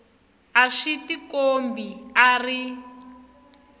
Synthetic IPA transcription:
aʂitikombiari

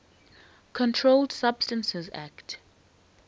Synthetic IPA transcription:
kʰɔ̃ntʰɹoldsab̥stə̃nsɛza̰kt

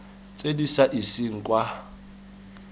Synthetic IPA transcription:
t͡sʼedisaʔisiŋ̩kʼwa

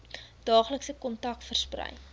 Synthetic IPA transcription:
d̥ɑːχləksəkɔntɐkfərsprɛ̰j

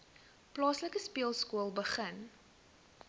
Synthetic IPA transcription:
plɑːsləkəspiəlˠskuəlˠbəχən

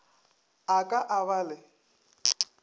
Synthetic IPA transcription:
akʼaʔaβaːlɪ

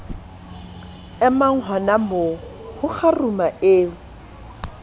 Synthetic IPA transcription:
ɛmaŋ̩ɦɔnamo | hʊk͡xʰarumaʔeːʊ

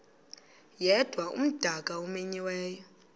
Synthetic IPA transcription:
jɛd̥ʱwaʔṵm̩d̥ʱakʼaumeɲiwɛːjɔ

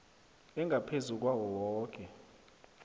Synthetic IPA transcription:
ɛŋɡʱapʰezuk̬wawɔwɔːk̬ʼɛ

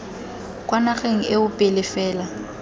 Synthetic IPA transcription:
kʼwanaχeŋ̩eʊpʼɪlɪfɛːla

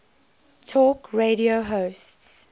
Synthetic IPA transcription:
tʰɔːkɹeɾioɦoːsts

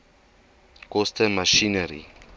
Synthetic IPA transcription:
kɔstəmaʃinəɾḭ

